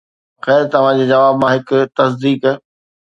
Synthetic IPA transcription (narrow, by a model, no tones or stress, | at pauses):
xɛːɾt̪ɐʋ̤ãd͡ʑeːd͡ʑɐʋaːbmãɦɪkt̪ɐs̬d̪iːkə